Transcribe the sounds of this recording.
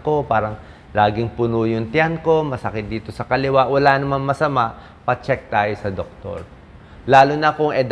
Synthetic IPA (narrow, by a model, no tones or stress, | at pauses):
ko̞paːɾɐŋ | laːɡɪŋpʊnuːjʊnt̪janko̞mɐsɐkɪt̪̚d̪iːt̪o̞sɐkɐlɪwaʔwɐlanɐmanmɐsɐmaʔ | pɐt͡ʃɛk̚t̪aːjo̞sɐd̪ok̚t̪o̰ɹ | laːlʊnɐkʊŋʔɛd̪